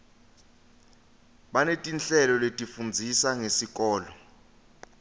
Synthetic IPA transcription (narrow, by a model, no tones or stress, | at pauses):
ɓanetʼint͡ɬɛlɔletʼifund͡zʱisaŋesik̬ʼɔːlɔ